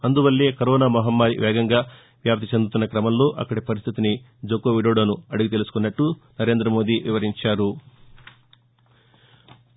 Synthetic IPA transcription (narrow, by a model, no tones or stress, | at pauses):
ɐnd̪uʋɐlːeːkɐɾɔːnaːmɐɦɐmːaːɾḭʋɛːɡɐŋɡaː | ʋjaːp̚t̪it͡ʃend̪ut̪unːɐkɾɐmɐmlo̞ːʔɐ̰kːɐɽipɐɾist̪ʰit̪ini | d͡ʒokːoʋiɽoːɽɐnuɐɽuɡit̪e̞lusu̥kunːɐʈːunɐɾe̞ːnd̪ɾɐmo̞ːd̪iʋiʋɐɾiɲt͡ʃaːɾu